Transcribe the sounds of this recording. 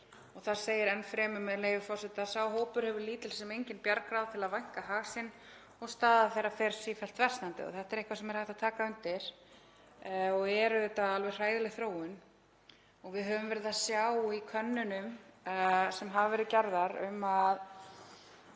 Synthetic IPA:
ɔɣθaɾ̥seːjɪɾɛnfɾɛːmʏmɛðleːjvʏfɔrsɛt̪asawɦoːwpʏɾ̥hɛvʏɾliːt̪ɪlsɛmejɲcɪnpjaɾkɾawðt̪ʰɪlaðvajŋ̥kaɦaːɣsɪn | ɔɣst̪aːðaθejɾafɛɾ̥sifɛl̥t̪vɛr̥st̪nant̪ɪ̰ɔ̰θɛht̪ɛɾehkvasɛmɛɾhaht̪at̪ʰaːkaʏnt̪ɪɾ̥ | ɔɣɛɾʏet̪aalvɛrr̥aːjðɪlɪɣθɾoːwʏn | ɔɣvɪðɦœvʏmvɛɾɪðasjawikʰœnːʏnʏm | sɛmɦavvɛɾɪðcɛɾðaɾʏmað

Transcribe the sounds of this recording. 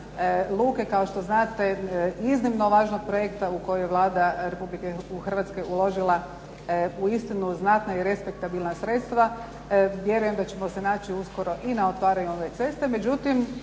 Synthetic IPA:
lˠuːke̞kao̞ʃt̪o̞znaːt̪e̞iznimno̞ʋaːʒno̞ɡ̚pɾojekt̪auko̞jojeʋlˠaːd̪aɾe̞publikexr̩ʋat̪ske̞ʔulˠo̞ʒilˠa | uist̪inuznat̪naiɾe̞spe̞k̚t̪abilˠnasɾet̪st̪ʋa | ʋje̞ɾuje̞md̪at͡ʃemose̞naːt͡ɕiusko̞ɾo̞ʔinao̞t̪ʋaːɾaɲuoʋet̪e̞st̪e̞me̞d͡ʒut̪im

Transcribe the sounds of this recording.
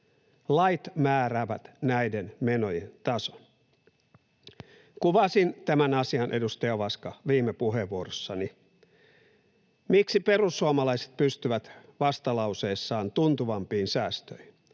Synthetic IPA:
lɑjt̪mæːɾæːʋæt̪næjdenme̞nojḛnt̪ɑso̥n | kuʋɑsint̪æmænɑsiɑnʔe̞dust̪ɑjɑʋɑskɑʋiːmːepuɦeʋːuoɾosːɑni | miksipe̞rusːuɑmɑlɑise̥t̪̚pyst̪yʋæt̪ʋɑst̪ɑlɑuse̞ːsːɑːnt̪unt̪uʋɑmpiːnsæːst̪øjhin

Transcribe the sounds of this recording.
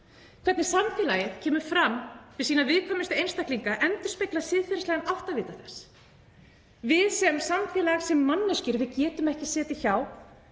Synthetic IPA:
kʰvɛɾt̪nɪ̥samfɪːlajɪðcʰɛːmʏɾ̥fɾamvɪðsiːnavɪðkʰɔːmɪst̪ʏejnst̪akliŋkaʔɛnt̪ʏ̥spejklasɪːðfɪɾɪslɛɣanawht̪avɪːt̪aθɛsː | vɪðsɛmsamfɛːlasɛmːanːʏscʏɾvɪðcɛːt̪ʏmɛhcɪsɛːt̪ɪçaw

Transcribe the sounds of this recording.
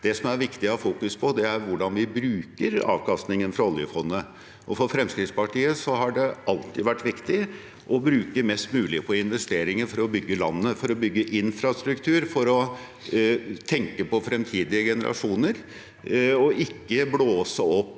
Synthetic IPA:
d̪̥ɛsɔmæɾʋɪkt̪ɪɑfuːkʉspʰɔd̪ɛæɾʋʊɖɑnʋɪbɾʉːkəɾɑ̰ːʋkʰɑst̪nɪŋənfɾɑɔljə̰fɔnːə | ʔɔfɔɾfɾɛmskɾɪt̪spɑʈʰiːəsɔɦɑɖɛɑlt̪ɪd̪ʋæʈːʋɪkt̪ɪ | ʔɔbɾʉːkəmɛst̪mʉːlɪpʰɔɪnʋɛst̪eːɾɪŋəɾfɔɾɔbʏɡːəlɑ̰nːəfɔɾɔbʏɡːəʔɪnfɾɑst̪ɾʉkt̪ʰʉːɾfɔɾɔ | t̪ʰɛŋkəpɔfɾɛmt̪ʰiːd̪ɪəɡɛnəɾʔɑ̰ʂuːnəɾ | ɔɪkːəbloːsəɔpː

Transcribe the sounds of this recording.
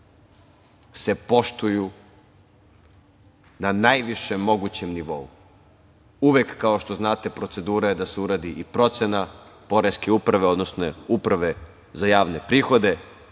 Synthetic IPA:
se̞po̞ʃt̪uju | nanajʋiʃemːo̞ɡut͡ɕe̞mniʋo̞̰u | uʋekːaoʃt̪o̞znaːt̪e̞pɾo̞t̪se̞d̪uːɾajed̪aseuɾad̪iʔipɾo̞t̪senapo̞ɾeskeupɾaʋe̞o̞d̪no̞snoupɾaʋe̞ | zajaːʋne̞pɾiːxo̞d̪e̞

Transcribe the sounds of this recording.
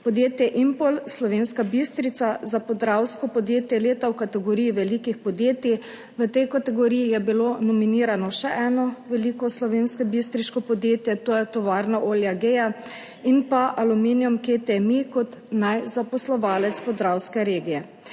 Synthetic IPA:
pɔd̪jeːt̪jɛʔimpolslɔʋeːnskabist̪ɾit̪sazapɔd̪ɾawskɔpɔd̪jeːt̪jɛleːt̪awkat̪ɛɡɔɾijiʋɛlikixpɔd̪jeːt̪i | ʋət̪ɛjkat̪ɛɡɔɾiːjijɛbilonɔminiːɾanɔʃɛʔɛːnɔʋɛlikɔslɔʋenskɛbist̪ɾiʃkɔpɔd̪jeːt̪jɛt̪ojɛt̪ɔʋaːɾnaʔoːljaɡeja | inpaʔaluminjumket̪emikɔt̪najzapɔslɔʋaːlɛt̪spɔd̪ɾawskɛɾeːɡijɛ

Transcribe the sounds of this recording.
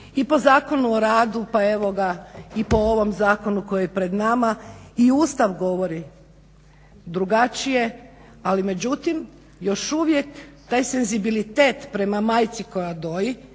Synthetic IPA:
ipo̞zaːko̞nuoɾaːd̪upae̞ʋoɡaipo̞oʋo̞mzaːko̞nuko̞jiepɾe̞d̪namaiuːst̪aʋɡo̞ʋo̞ɾi | d̪ɾuɡat͡ʃije̞ | alime̞d͡ʑut̪im | jo̞ʃuʋje̞kt̪aːjse̞nzibilit̪eːt̪pɾe̞mamaːjt̪siko̞jad̪o̞ːji

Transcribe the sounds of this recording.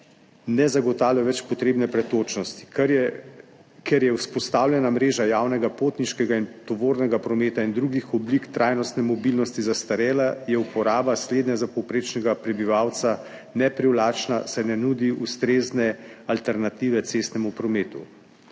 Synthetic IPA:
nɛzaɡɔt̪aːwljaʋɛt͡ʃpɔt̪ɾeːbnɛpɾɛt̪oːt͡ʃnɔst̪i̥ | kɛɾjɛuspɔst̪aːwlʲjɛnamɾeːʒajaːwnɛɡapoːt̪niʃkɛɡaint̪ɔʋoːɾnɛɡapɾɔmeːt̪aind̪ɾuɡixɔblikt̪ɾʔajnɔst̪nɛmɔbilnɔst̪izast̪aɾɛːlajɛupɔɾaːbasleːd̪nɛzapɔwpɾeːt͡ʃnɛɡapɾɛbiʋawt̪sa | nɛpɾiwlaːt͡ʃnasajnɛnud̪iʔust̪ɾeːznɛalt̪ɛɾnat̪iːʋɛt̪sest̪nɛmupɾɔmeːt̪ṵ

